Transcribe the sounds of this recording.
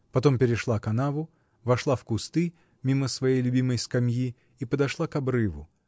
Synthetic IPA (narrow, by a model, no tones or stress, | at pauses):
pɐt̪o̞mpʲɪɾʲɪʂlˠakɐnavʊ | vɐʂlˠafkʊst̪ɨ | mʲiməsvɐjejlʲʊbʲiməjskɐmʲji | ipəd̪ɐʂlˠakɐbɾɨvʊ